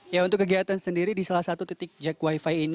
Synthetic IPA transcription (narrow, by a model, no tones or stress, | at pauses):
jaunt̪ʊkːəɡiɦat̪ansəndiɾidisalahsat̪ut̪it̪ɪk̚d͡ʒakwaifaiin